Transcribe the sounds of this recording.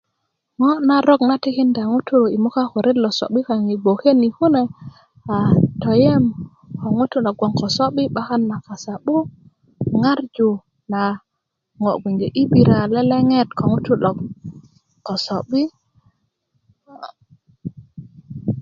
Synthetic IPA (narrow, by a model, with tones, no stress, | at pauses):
ŋɔ˦na˦ɾɔ˦kna˦ti˦ki˦nda˨ŋu˦tu˦i˨mu˦ka˦ko˨ɾe˦tlo˨so̰˨ɓi˦ka˨ŋi˨ɡ͡bo˨ke˦ni˨ku˦ne˨ | a˨to˨je˦m | ko˨ŋu˦tu˦lɔ˨ɡwo˨ŋko˨so˦ɓi˦ɓa˦ka˦nːa˨ka˨sa˨ɓu˦ | ŋa˦ɾd͡ʒu˨ | na˨ | ŋo˨ɡʷi˨ɲd͡ʒe˨ʔi˦bi˨ɾa˨le˦le˦ŋe˦tko˨ŋu˦tu˦lɔ˨k | ko˨so˨ɓi˦